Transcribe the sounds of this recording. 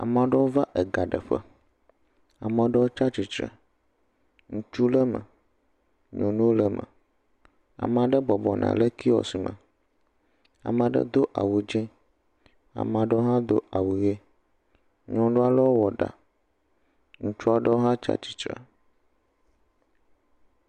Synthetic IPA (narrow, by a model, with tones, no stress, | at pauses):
a̰˨mã˨ɖə˦wo˦va˦ʔe˨ɡa˨ɖə˨ɸə̰˦ | a˨mə̃˨ɖə˦wo˦t͡ʃa˦t͡ʃi˨t͡ʃɾə̰˨ | ŋũ˦t͡ʃu˦lə˦mə̰̃˨ | ɲɔ̃˨nũ˦wo˦lə˦mə̰̃˨ | a̰˨m˨a˨ɖə˦bɔ˨bɔ˨nʔã̰˨lə˦ki˦wɔ̰˨si˨mə̰̃˨ | a̰˨mã˨ɖə̰˦d̪o˦ʔa˨wu˨d͡ʒɛ̃˦ | a̰˨mã˨ɖə˦wo˦ɦã˦d̪o̰˦a˨wu˨je˦ | ɲɔ̃˦ɖo˦a˦lə˦wo˦wɔ˨ɖa̰˨ | ŋũ˦t͡ʃu˦a˦ɖə˦wo˦ɦã˦t͡ʃa̰˦t͡ʃi̥˨t͡ʃɾə̰˨